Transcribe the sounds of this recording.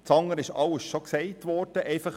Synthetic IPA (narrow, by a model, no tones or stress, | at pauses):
t͡sɑŋːəɾɪʃɑləsʃɔksɛɪtʋɔrd̥əʔɛɪfɑχ